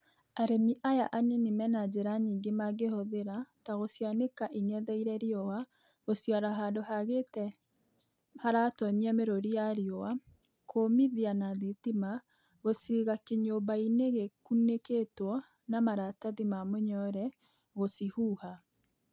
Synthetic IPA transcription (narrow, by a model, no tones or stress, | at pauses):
aɾemiʔaja̰ʔaninimɛnad͡ʒeɾaɲiːŋɡemaɡehoðeɾataɣosjanekaʔinɛðɛiɾɛɾiɔwa | ɣosjaɾaɦaːdohaɣetɛ | haɾatɔɲiameɾoɾijaɾiɔwa | kʰomiðianaðitima | ɣosiɣakeɲobaineɣekuneketwɔ | namaɾataðimamoɲɔɾɛ | ɣosihuːha